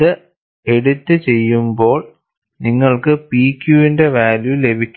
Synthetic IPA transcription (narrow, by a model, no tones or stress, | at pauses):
ɨ | e̞ɽut̪ːɨt͡ɕe̞jːumbo̞ːɭ | niŋːɐɭkɨpiːkːjuːinde̞ʋaːljulːe̞bʱikʲː